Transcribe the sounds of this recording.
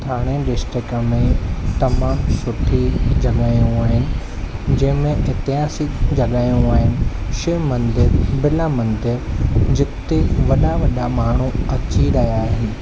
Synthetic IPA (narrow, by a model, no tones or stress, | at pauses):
t̪ʰaːɽ̃ẽɖɪsʈɾɪkə̆mẽt̪ɐmãsʊʈʰid͡ʑɐɠaːjũaːɦɪnɪ̆ | d͡ʑɐ̃ɦɪ̃mẽʔɪt̪iaːsid͡ʑɐɠaːjũaːɦɪnɪ̆ʃemɐ̃nd̪ɪɾbɪlamɐ̃nd̪ɪɾd͡ʑɪt̪eʋɐɗaʋɐɗamaːɳ̤ũɐt͡ɕiɾɐɦjaːɦɪː